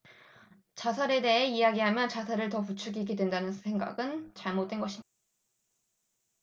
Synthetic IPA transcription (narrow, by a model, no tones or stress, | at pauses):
t͡ɕasʰaɾe̞de̞ɦe̞ijaɡiɦamjʌt͡ɕasʰaɾɯɭtʌput͡ɕʰuɡiɡidwe̞ndanɯnsʰe̞ŋɡa̰ɡɯnt͡ɕaɭmot͈̚enɡʌɕʰid